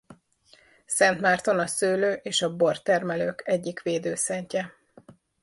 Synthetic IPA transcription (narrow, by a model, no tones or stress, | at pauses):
sɛnt̪maːrt̪o̞nɒsøːløːʔeːʃɒbo̞rt̪ɛrmɛløːkɛɟːikʋeːd̪øːsɛɲcɛ